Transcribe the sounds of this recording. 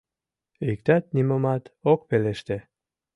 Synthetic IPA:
ik̚t̪ɑt̪̚nimomɑt̪ok̚peleʃt̪e

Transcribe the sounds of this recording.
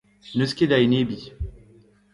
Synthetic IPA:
nəskʲed̪ajnebi

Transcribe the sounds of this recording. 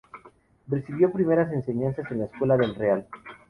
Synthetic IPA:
re̞siβjo̞pɾime̞ɾas̬e̞nse̞ɲansase̞nlaeskwe̞laðelreal

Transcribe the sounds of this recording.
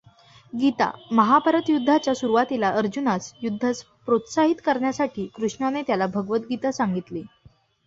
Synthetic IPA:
ɡit̪a̰məɦapəɾət̪jud̪ʱːat͡ɕjasuɾuʋat̪ilaʔəɾd͡ʑunat͡sjud̪ʱːat͡s | pɾot̪saɦit̪kəɾɳjasaʈʰiːkɾuʂɳanet̪jalabʱəɡʋət̪̚ɡit̪asaŋɡit̪li

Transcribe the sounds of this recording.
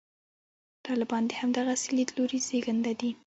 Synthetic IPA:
t̪ɑlɪbɑnd̪ehamd̪aɣaselid̪əloɾezeɡənd̪ad̪i

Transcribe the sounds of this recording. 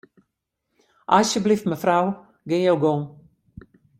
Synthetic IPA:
ʔasjəbliftməfraw | ɡɪnjowɡoŋ

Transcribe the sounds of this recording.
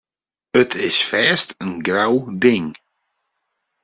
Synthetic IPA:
ətʰɪsfɛːstənɡɾawdɪŋ

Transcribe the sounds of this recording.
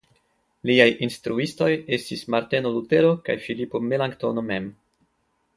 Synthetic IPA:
liajʔinstɾuisto̞je̞stismaɾtenolute̞ɾo̞ka̰jfilipo̞melaŋɡto̞no̞me̞m

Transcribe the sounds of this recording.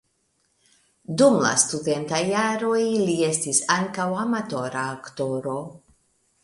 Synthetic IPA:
dumla̰st̪ude̞ntajaɾo̞jlie̞stisaŋkawamato̞ɾaːkto̞ɾo̞

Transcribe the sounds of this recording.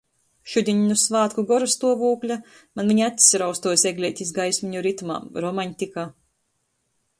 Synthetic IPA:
ʃud̪ʲiɲnusvaːt̪kuɡɔɾust̪uɔvuːklʲa | manvʲiɲat̪ʲi̥sʲɾawst̪uɔjseɡlʲiɛːt̪ʲizɡajsʲmiɲuɾit̪uma̰ːmɾɔmaɲʲt̪ʲikaː

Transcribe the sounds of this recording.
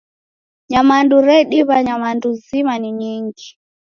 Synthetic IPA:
ɲamanduɾɛɗiβaɲamanduzimaniɲiŋɡi

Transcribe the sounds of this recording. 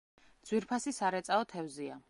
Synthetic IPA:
dd̪z̥wiɾpʰasisaɾɛt̪sʼaɔt̪ʰɛvzia

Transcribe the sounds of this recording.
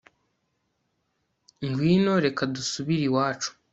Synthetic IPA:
ŋɡwiːnoɾe̞kadusuβiɾiwaːt͡ʃu̥

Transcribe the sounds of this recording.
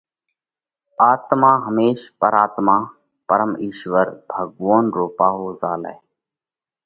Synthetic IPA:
aːt̪mãːɦəmeːʃpəɾaːt̪maː | pəɾəmiːʃʋəɾbʱəɡʋoːnɾoːpaːɦoːzaːla̰ːe

